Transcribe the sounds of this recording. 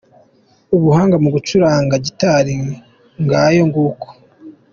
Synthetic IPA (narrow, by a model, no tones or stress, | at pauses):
uβuhaːŋɡamuɡut͡ʃuɾaːŋɡaɟitaɾi | ŋɡajo̞ŋɡuːko̥